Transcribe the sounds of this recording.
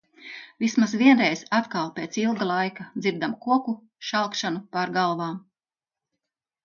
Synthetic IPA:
vismazʋiɛnɾɛjz̥at̪kalˠpʲeːt̪silˠɡalˠajkad̪ziɾd̪amkuɔku | ʃalˠkʃanupaɾɡalˠvaːm

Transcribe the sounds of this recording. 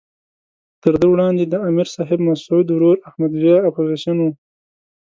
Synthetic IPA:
t̪əɾd̪əwɽɑːnd̪ed̪əamiɾsɑːɦɪbmasud̪wɾuɾahmad̪wijɑapozisjanwu

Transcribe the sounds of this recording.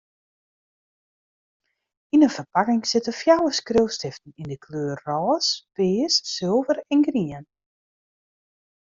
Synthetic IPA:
inənfərpakɪŋsɪtəfjawəskrøwstɪftn̩indəkʰløːərːɔːspɪːsːɪlˠvəɾɛnɡriən

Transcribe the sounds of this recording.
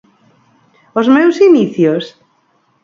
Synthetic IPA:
ozmɛwsiniθjos

